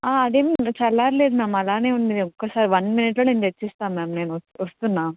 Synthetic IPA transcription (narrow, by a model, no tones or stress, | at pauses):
aːɐd̪eːmt͡ʃɐlːaːɾled̪mãːmɐlaːneːunid̪eɔkːɐsaːɾiʋɐnmɪniʈːɐɭind̪et͡ʃːist̪aːmɛːmneːnoɔst̪unːaː